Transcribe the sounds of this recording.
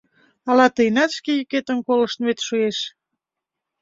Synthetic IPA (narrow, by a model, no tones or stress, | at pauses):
ɑlɑt̪əjnɑt̪ʃkejyket̪ənkoləʃt̪βet̪ʃueʃ